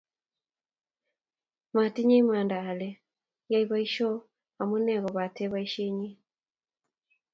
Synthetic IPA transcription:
ma˨ti˦ɲe˦i˦m˦a˨ndaː˨lɛ˨ | ja˦iβa˦i˦ʃɔ˦ | a˨mu˦nɛ˦˨ɣɔ˨βa˨tɛ˦βa˦i˦ʃe˦ɲi˦

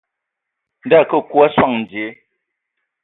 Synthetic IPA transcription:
n̩˦da˦˨kə˦˨kwa˦swa˦˨ŋn̩˨d͡ze˨˦

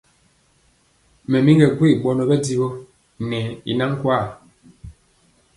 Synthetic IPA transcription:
mɛ˨mi˦ŋɡɛ˨ɡwe˦˨ɓɔ˨nɔ˨ɓɛ˦di˦bo˦ | nɛ˨ḭ˨na˦ŋ˦kwa˦˨

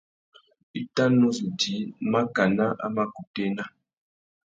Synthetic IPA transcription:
i˦ta˦nu˦zu˨di˨˦ma˦ka˨na˦ʔa̰˦ma˦ku˨te˦na˦

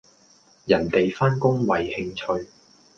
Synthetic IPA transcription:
jɐ˨˩nt̪e˨jfaː˥nkʊ˥ŋwɐ˨jhɪ˧ŋt͡ʃʰɵ˧ɥ

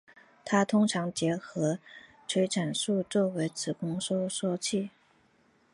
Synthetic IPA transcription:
t̪ʰa˥t̪ʰʊ˥ŋʈ͡ʂʰɑ˧˥ŋt͡ɕjɛ˧˥xɤ˧˥ | ʈ͡ʂʰwe˧˥ɪʈ͡ʂʰa˨˩nʂu˥˧t͡swɔ˥˩we˧˥ɪt͡sʰɹ̩˨˩kʊ˥ŋʂɔ˥˧ʂwɔ˥˧t͡ɕʰi˥˩

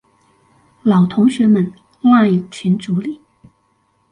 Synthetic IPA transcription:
lɑ˨˩ʊt̪ʰʊ˧˥ŋɕɥɛ˧˥mə˨˩˦n | a˥˧i˨˩t͡ɕʰi˧˥nʈ͡ʂu˧˥li˨˩˦

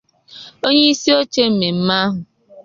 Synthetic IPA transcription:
o˦ɲe˦i˦si˦o˦t͡ʃe˦m̩˨me˨m̩˦ma˦ɦʊ˨

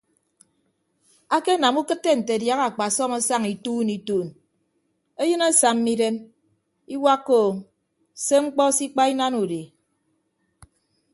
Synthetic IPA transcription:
a˦ke˦na˨mu˦kɨ˦tːe˦n̩˨te˨dja˦ɣa˨k͡pa˨sɔ˦ma˦sa˦ŋi˨tuː˦ni˨tuː˦˨n | e˦jɨ˦na˦sa˨mːi˦de˦m | i˦wa˦kːoː˦˨ŋ | se˦ŋ͡m̩˦k͡pɔ˦si˦k͡pa˦i˦na˦nu˨de˨

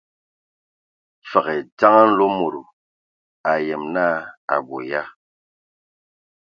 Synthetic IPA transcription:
fa˨ɣɛ˨ta˦ŋa˦n̩˦lo˦mo˨ɾo˨ | a˨je˨mna˦a̰˨bo̰˨ja˦

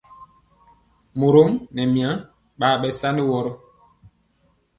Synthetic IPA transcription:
mo˨ɾo˦mnɛ˨mi˨a˨˦ | ɓaː˨ɓɛ˨sa˦ndi˦wɔ˦ɾɔ˦

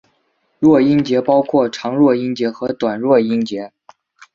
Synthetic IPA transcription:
ɻwɔ˥˩i˥nt͡ɕjɛ˧˥pɑ˥ʊkʰwɔ˥˩ʈ͡ʂʰɑ˧˥ŋɻwɔ˥˩i˥ŋt͡ɕjɛ˧˥xɤ˧˥t̪wa˨˩nɻwɔ˥˩i˥ŋt͡ɕjɛ˧˥

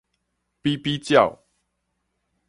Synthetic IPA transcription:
pi˦pi˦t͡ɕja˥˨ʊ

